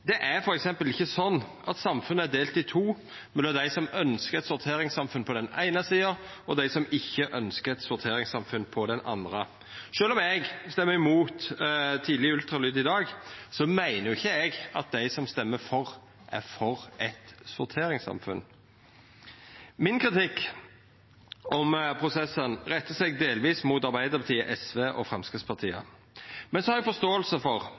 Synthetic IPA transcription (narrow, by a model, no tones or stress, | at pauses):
d̪ɛʔæɾfɔɾɛksɛmpəlɪçːəsɔnːʔɑt̪sɑmfʉnːəæd̪eːlt̪ɪt̪ʰuː | mɛlɑd̪æɪsɔmœnskəɾɛt̪sʊɾt̪ʰeːɾɪŋsɑmfʉnpʰɔd̪ɛnæ̰ɪnəsiːə | ɔd̪æɪsɔmɪçːəʔœnskəɾɛt̪sʊɾt̪ʰeːɾɪŋsɑmfʉnpʰɔd̪ɛnʔɑ̰nd̪ɾə | ʃøːlɔmɛɡst̪ɛmːəɾɪmuːt̪t̪ʰiːd̪lɪʉlt̪ɾɑlyːd̪ɪd̪ɑːɡsɔmæɪnəjʊɪçːəɛɡɑt̪̚d̪æɪsɔmst̪ɛmːəfɔʁ | ʔæ̰ɾfɔʁʔɛt̪sʊɾt̪ʰeːɾɪŋsɑ̰mfʉ̰n | mɪnkɾɪt̪ɪkː | ɔmpʰʁʊsɛsːənʁɛt̪ːəsɛɡd̪eːlʋiːsmuːt̪ɑɾbæɪd̪əɾbɑt̪ʰiːəʔɛsʋeːʔɔ̰fʁɛmskɪfspʰɑɾt̪ʰiːə̰ | mɛnsɔhɑɾɛɡfɔst̪oːəlsəfɔʁ